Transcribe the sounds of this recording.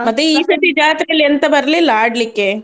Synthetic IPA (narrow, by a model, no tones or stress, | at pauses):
mɐt̪ːjuiːsɐʈ̪ːid͡ʒaːt̪ɾijɐlːiɐnt̪ɐbɐɾɐlilaːɽlikːe